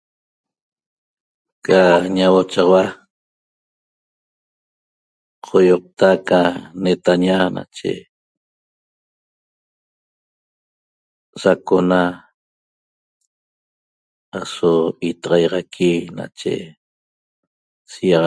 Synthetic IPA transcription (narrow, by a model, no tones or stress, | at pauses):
kaɲawot͡ʃɑwa | qʰojoq̚t̪akanet̪aɲana̰t͡ʃḛ | sakona | asoit̪ɑʁɑjʁɑkʰina̰t͡ʃḛ | sijɑʁ